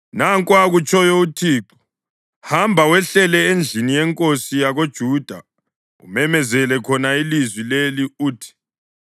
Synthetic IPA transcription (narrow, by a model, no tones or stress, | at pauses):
naŋkʼwaɣut͡ʃʰʼɔjɔutʰiːǃɔ̥ | hambʱawɛɬɛlɛend͡ɮʱinijɛŋkʼosijaɣod̥ʒ̥ʱuːd̥ʱa | ṵmɛmɛzɛlɛkʰɔnailizwileliuːtʰi̥